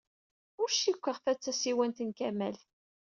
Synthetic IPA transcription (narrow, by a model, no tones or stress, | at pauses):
ʊɾʃikʷːəʁfæt͡sːæsiwænt̪ənkæmælθ